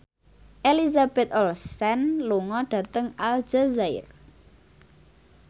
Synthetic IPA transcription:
ʔelizab̥ɛt̪̚ɔlsɛnluŋɔɖ̥ä̤t̪əŋald͡ʒazaɪ̰r

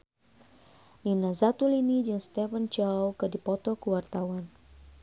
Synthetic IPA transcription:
ninazat̪ulinid͡ʒɨŋst̪ɛfənt͡ʃawkɨdipɔt̪ɔkəwart̪awan

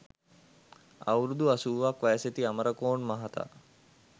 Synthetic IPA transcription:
a̰wɾud̪uasuːʋakʋæjset̪iaməɾəkoːnmaɦat̪a̰

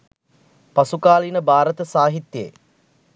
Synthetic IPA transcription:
pɐsukaːlinəbʱaːɾət̪əsaːɦit̪jḛ

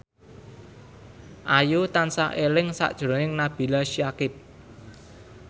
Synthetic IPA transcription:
ʔajut̪ansa̰ʔelɪŋsa̰ʔd̥ʒ̥ɾo̤nɪŋnab̥i̤laʃiakɪp̚

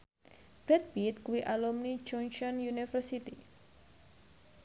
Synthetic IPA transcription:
b̥ɾɛt̪̚b̥it̪̚kuwiʔalɔmni̥d͡ʒɔnt͡ʃɔnjunifərsit̪i

